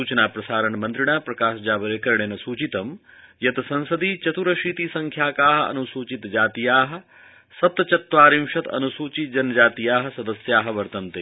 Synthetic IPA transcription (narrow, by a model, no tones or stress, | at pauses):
uːt͡ʃɐnaːpɾɐsaːɾɐɳmɐnd̪ɾiɽ̃aːpɾɐkaːʃd͡ʒaːbɐɾeːkɐɾɳ̃eːnɐsuːt͡ʃit̪ɐm | jɐt̪sɐ̃nsɐd̪iːt͡ʃɐt̪uɾɐʃiːt̪isɐ̃ŋkʰjaːkaːɦɐɐ̰nusuːt͡ʃit̪d͡ʒaːt̪ijaːɦɐ̆ | sɐt̪ɐt͡ʃɐt̪ʋaːɾimʃɐt̪ɐ̰nusuːt͡ʃid͡ʒɐnːɐd͡ʒaːt̪ijaːɦɐ̆sɐd̪ɐsjaːɦɐ̆ʋɐɾt̪ɐnt̪e